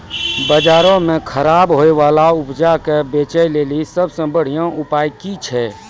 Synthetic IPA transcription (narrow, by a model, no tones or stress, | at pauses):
bəd͡ʒaːɾõmẽkʰəɾaːbɦoeʋaːlaʊpd͡ʒakebet͡ʃəjleːlisəbsə̃bəɽ̤ijãʔupaːjkit͡ʃʰɛ